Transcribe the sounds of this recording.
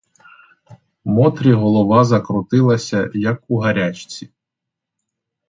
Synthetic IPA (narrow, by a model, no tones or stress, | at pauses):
mɔt̪ɾʲiɦɔlˠɔʋɑzɐkɾʊt̪ɪlˠɐsʲɐjɐkuɦɐɾʲat͡ʃt͡sʲi